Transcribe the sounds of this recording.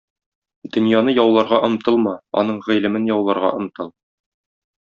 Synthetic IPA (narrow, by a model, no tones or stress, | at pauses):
d̪̥ɵ̆njɑnɤjɒwlˠɑɾʁɑʔɤ̆mt̪ɤlˠmɑɒ̰nɤɴʁĭlɘ̆mɘnjɒwlˠɑɾʁɑ̰ʔɤ̆mt̪ɤlˠ